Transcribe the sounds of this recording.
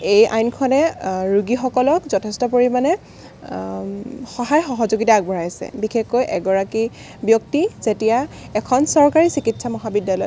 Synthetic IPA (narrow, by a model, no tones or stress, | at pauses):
ejʔa̰jnkʰɔnɛɹuɡixɔkɔlɔkzɔtʰestɔpoɹimanɛ | xɔɦajxɔɦɔzoɡitaːk̚bʱɔɹajasɛ̰bixexojʔɛɡɔɹaki | bjɔk̚tizetija | ɛkʰɔnsɔɹkaɹisikitsamɔɦabidjalɔj